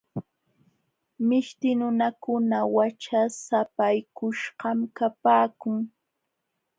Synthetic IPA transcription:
mɪʃt̪ɪnʊnakʊnawat͡ʃasapajkʊʃɢɑmkapaːkʊŋ

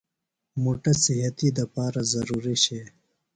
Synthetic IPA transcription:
moːʈɐsiɦɐt̪id̪ɐpaːɾazɐɾuːɾiɕe

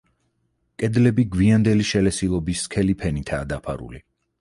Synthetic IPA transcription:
kʼɛd̪lɛbiɡwiand̪ɛliʃɛlɛsilˠɔbiskʰɛlipʰɛnit̪ʰaːd̪apʰa̰ɾṵli

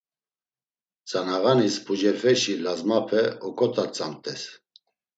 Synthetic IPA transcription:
t͡sʼanaʁanispud͡ʒɛɾfɛʃilazmapʰɛɔkʼɔt̪ʰat͡sʼamt̪ʼɛs

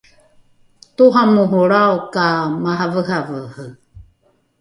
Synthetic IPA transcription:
tuɦamuɦuɾawkamaɦavəɦavəhə

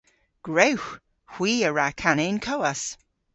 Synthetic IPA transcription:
ɡ̥ɹewx | hw̥iːəɹakʰanenkʰowas

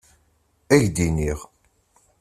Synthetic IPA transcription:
æʝd̪iniʁ

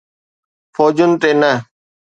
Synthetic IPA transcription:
foːd͡ʒʊnt̪eːnə

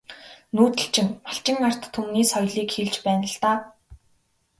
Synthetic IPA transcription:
nuːt̪ɘ̆ɬt͡ɕɪ̆ŋmaɬt͡ɕɪ̆ŋar̥t̪ʰːumniːsɔjɮiːkxeɮt͡ɕpæːnə̆ɬt̪aː

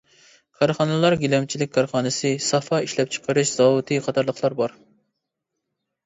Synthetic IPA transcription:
kʰɑɾχɑnɨlˠɑɾɡʲilɛmt͡ʃʰilɪkʲkʰːɑɾχɑːnɨsɨsɑfɑiʃlɛp̚t͡ʃʰə̥qʰəɾɨʃz̥ɑwut̪ʰɨqʰɑt̪ʰɑɾlˠəχlˠɑɾbɑɾ

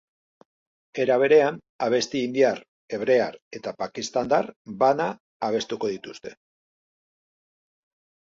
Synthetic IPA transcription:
e̞ɾaβ̞e̞ɾe̞an | aβ̞e̞st̪iːnd̪iaɾ | e̞βɾe̞aɾe̞t̪apakist̪and̪aɾbanaː | β̞e̞st̪uko̞ðit̪ust̪e̞̥

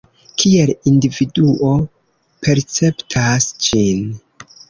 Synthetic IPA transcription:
kʰielindividuʔo̞ | pʰe̞ɾt͡se̞ptʰasd͡ʒin

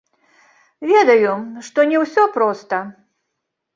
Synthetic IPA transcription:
vʲed̪ɐjʊʂt̪ɔnʲɛwsʲɔpɾɔst̪ɐ

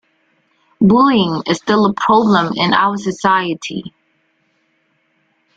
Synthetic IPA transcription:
bulˠɪ̃ŋɪz̥stɪlˠəpʰɹ̥ɑblə̃mɪ̰̃na̰ʊə˞sɨsaɪɨtʰḭ

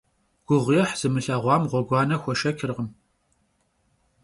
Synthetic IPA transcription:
ɡ̥ʷʊʁʷijɛħz̥ɨmɨɬɐːʁʷɑːmʁʷɔɡʷɑːnɐxʷɔʃɐkʰʲɪrʁəm

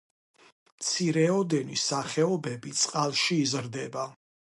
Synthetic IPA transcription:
mt̪sʰiɾɛɔd̪ɛnisaχɛɔbɛbit̪sʼqʼalˠʃiːzɾd̪ɛba

